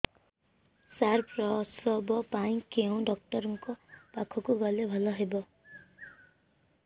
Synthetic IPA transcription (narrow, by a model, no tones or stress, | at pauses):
saɾpɾɔsɔbɔpaĩkeũɖɔk̚ʈɔɾɔŋkɔpakʰɔkuɡʌlebʱʌlɔɦebɔ